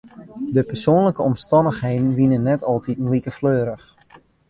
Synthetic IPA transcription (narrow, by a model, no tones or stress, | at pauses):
dəpɛrsoːnləkəɔmstɑndəxhejdən̩ʋinənːɛtɑlˠtʰitn̩likəfløːɾəx